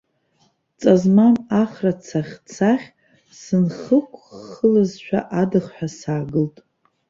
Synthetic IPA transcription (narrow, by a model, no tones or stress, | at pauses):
t͡sʼazmanaχrat͡sʰaχʲt͡sʰaχʲ | sɨnχəkʷʰʼːəlazʃᶣa̰ʔadɨχħʷᶣasaːɡɨltʼ